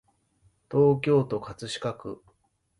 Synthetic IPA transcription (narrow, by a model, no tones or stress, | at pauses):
t̪o̞ːk̬ʲo̞ːt̪o̞kat͡sɨɕi̥kakɯ̟